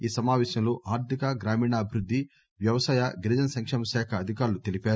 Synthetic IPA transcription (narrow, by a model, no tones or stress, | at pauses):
iːsɐmaːʋɛːɕɐmloʔaːɾt̪ʰikaɡɾaːmiːɳaɐbʱiɾud̪ʱːi | ʋjɐʋɐsaːjaɡɾid͡ʒɐnɐsɐŋkʂeːmɐʃaːkʰɐːd̪ʱikaːɾlut̪elipaːɾu